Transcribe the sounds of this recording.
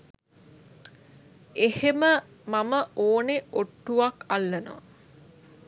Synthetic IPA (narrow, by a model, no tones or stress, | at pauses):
ehemə | maməʔoːneoʈːuʋakalːəno̰ʋ